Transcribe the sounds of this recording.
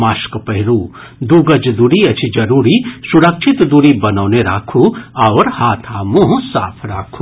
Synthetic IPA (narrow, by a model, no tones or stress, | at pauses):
maːʃkpɐɦɪɾuː | d̪uɡɐd͡ʒd̪uɾiɐt͡ʃʰid͡ʒɐɾuːɾisuɽɐkʃʰɪt̪d̪uɾibɐnɔːneɾa̰ːkʰuɐʋɾhaːt̪ʰaːmũɦsa̰ːpʰɾa̰ːkʰu̥